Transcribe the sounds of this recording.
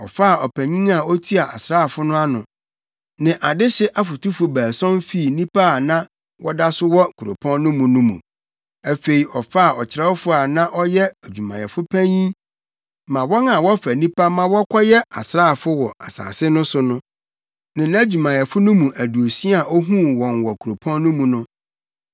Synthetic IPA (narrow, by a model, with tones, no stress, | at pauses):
ɔ̰˨fa˦a˨ɔ˨pʰæ̃˨ɲĩ˦ŋa˨ɔ˦tʰu˦a˨a̰˨sɾaː˦˨fʊ˦nʊ̃˦a˦nʊ̃˨ | nɪ̃˨ʔa˨dɪ˦ɕɪ˦ʔa˦fʊ˨tʰu˦fʊ˨bæː˨sɔ̃˦n˦fi˦˨nĩ˦pʰa˦˨nã˦ | wʔɔ˦da˦sʊ˦wɔ˦˨kʰu˨ɾo̰˨pʰɔ̃˦nnʊ̃˦mũ˨nũ˦mṵ̃˨ | æ˨fe˨i˨ʔɔ˨fa˦a˨ɔ˨t͡ɕʰɪ˨ɾɛ˦wɔ˦fʊ˦a˨nã˦ʔɔ˦jɛ˦æ˨d͡ʑᶣu˨mã̰˨jɛ̰˨fʊ˦pʰæ̃˦ɲĩ˦ | mã˨wɔ̃˦nã˨wɔ˦fæ˨nĩ˦pʰa˦mã˦wɔ˦kʰʷɔ˦jɛ˦a̰˨sɾaː˦˨fʊ˦wɔ˨ʔa˨sa̰ː˨sɪ˦nʊ̃˦sʊ˦nʊ̃˦ | nɪ̃˨ñ˦a˦d͡ʑu˨mã˨jɛ˨fʊ˦nʊ̃˦mũ˨ʔæ˨du˨o˨si˦a˨ʔɔ˦ɦũ˦wɔ̃˨nwɔ˨kʰu˨ɾo˨pʰɔ̃˦nːʊ̃˦mũ˨nʊ̃˦